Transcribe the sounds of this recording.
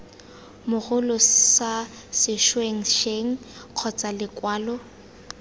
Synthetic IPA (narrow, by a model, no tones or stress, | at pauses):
mʊɣʊlɔsasɪʃweŋ̩ʃeŋ̩q͡χʰɔt͡sʼalɪkwaːlɔ